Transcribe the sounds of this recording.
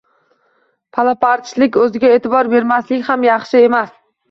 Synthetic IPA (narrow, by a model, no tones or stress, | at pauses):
pʰalˠapaɾt̪t͡ʃlɪkʲɵzɪɡʲae̞ːt̪ʰɪbɒɾbe̞ɾmaslɪkʲhamjɑχʃɪe̞mas